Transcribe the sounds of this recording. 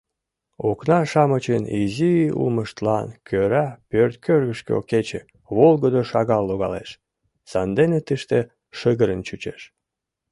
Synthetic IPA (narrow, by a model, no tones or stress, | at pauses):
oknɑʃɑmət͡ɕəniziṵlməʃt̪lɑnkʰøɾæpørt̪kʰørɣəʃkḛo̰ket͡ɕḛ | βolɣəd̪oʃɑɣɑlːoɣɑ̰lḛʃ | sɑnd̪enet̪əʃt̪e | ʃəɣəɾənt͡ɕut͡ɕeʃ